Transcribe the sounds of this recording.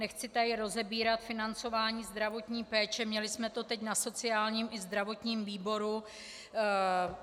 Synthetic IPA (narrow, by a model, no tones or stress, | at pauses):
nɛxt͡sɪt̪ajɪɾo̞zɛbiːɾat̪fɪnant͡so̞vaːɲiːzd̪ɾavo̞t̪ɲiːpɛːt͡ʃɛmɲɛlɪsmɛt̪o̞t̪ɛcnaso̞t͡sɪaːlɲiːmʔɪzd̪ɾavo̞t̪ɲiːmviːbo̞ɾu